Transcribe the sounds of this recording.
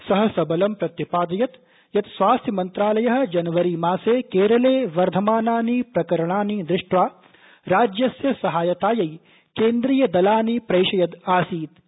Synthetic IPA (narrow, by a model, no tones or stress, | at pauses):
sɐɦɐ̆sɐbɐlɐmpɾɐt̪jɐpaːd̪ɐjɐt̪ | jɐt̪sʋaːst̪ʰjɐmɐnt̪ɾaːlɐjɐɦɐ̆d͡ʒɐnɐʋɐɾimaːseːkeːɾɐleːʋɐɾd̪ʱɐmaːnaːniːpɾɐkɐɾɐɳaːniːnd̪ɾɪʂʈʋaː | ɾaːd͡ʒjɐsjɐsɐɦaːjɐt̪aːjɐj | keːnd̪ɾiːjɐd̪ɐlaːnipɾɐjʃɐjɐt̪aːsiːt̪